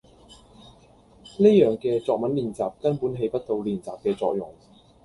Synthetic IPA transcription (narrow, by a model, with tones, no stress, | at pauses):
ne˥jœː˨˩ŋkɛː˧t͡sɔː˨˧k̚mɐ˨˥nliː˨˩nt͡saː˨˩p̚kɐ˥npuː˨˥nɦe˨˧jpɐ˥t̚t̪o˧wliː˨˩nt͡saː˨p̚kɛː˧t͡sɔ̰ː˧k̚jʊ˨˩ŋ